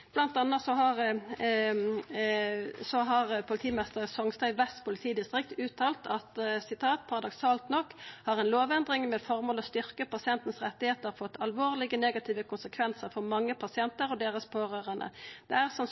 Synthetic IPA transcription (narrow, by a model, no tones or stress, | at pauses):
b̥lɑnt̪ɑnːɑt̪sɔhɑʁ | sɔɦɑʁpʰʊlɪt̪ʰiːmnɪst̪əʁsɔŋst̪æʏʋæst̪pʊlɪt̪ʰiːd̪ɪst̪ʁɪkt̪ʉːt̪ʰɑːlt̪ʰɑt̪sɪt̪ʰɑːt̪̚pʰɑʁɑd̪ɔksɑːlt̪nɔkːhɑʁɛnloːʋɛnd̪ʁɪŋmɛfɔʁmoːlɔst̪ʏʁkəpɑsɪɛnt̪n̩sʁɛt̪ːɪheːt̪əʁfɔt̪ːɑlʋoːʁlɪɡəneːɡɑt̪ʰiːʋəkʰʊnsəkʰʋɛnsəʁfɔʁmɑŋːəpʰɑsɪɛnt̪əɾɔd̪eːʁəspʰoːʁøːʁənə̰d̪̥ɛæʁsɑn